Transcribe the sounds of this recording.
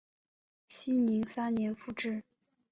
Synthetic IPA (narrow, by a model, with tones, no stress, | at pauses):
ɕi˥ni˧˥ŋsa˥nnjɛ˧˥nfu˥˩ʈ͡ʂɻ̩˥˩